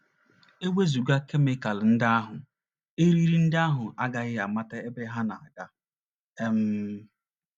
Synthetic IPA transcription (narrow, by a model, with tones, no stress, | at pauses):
e˦wʷe˦zu˨ɡa˦ke˦me˦ka˨ln̩˦dɪ˦a˦ɦʊ˨ | e˦ɾi˦ɾi˦n̩˦da˦ɦʊ˨ʔa˦ɡa˦ɣɪ˦a˨ma˦ta˦e˦be˦ɦa˦na˨a˨ɡa˦ | e˦m̩˦